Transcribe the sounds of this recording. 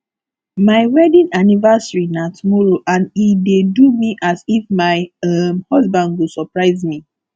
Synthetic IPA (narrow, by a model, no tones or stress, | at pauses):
maɪwɛdĩnanivasɹinatʰumɔɹoʔãnidedumiʔasifmaɪʌmhɔsbãndwusɔpɹaɪzmi